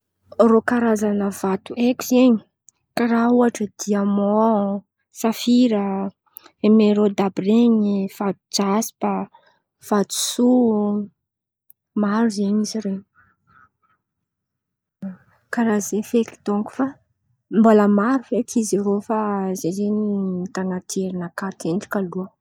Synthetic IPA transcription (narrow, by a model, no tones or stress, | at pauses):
rokaɾazanəv̥at̪uekizeɲi̥ | kaɾauaʈ͡ʂəd̪̥iamɔ | safiɾə | emeɾod̪abreɲiv̥ad̪ud͡ʒasi̥pə | v̥at̪u̥su | maɾuzeɲiziɾeɲ | kaɾazefeki̥t̪oŋku̥fa | mboləmaɾufekiziɾofazezeɲit̪anat̪ʰeɾinakat̪eɳɖ͡ʐi̥kaluə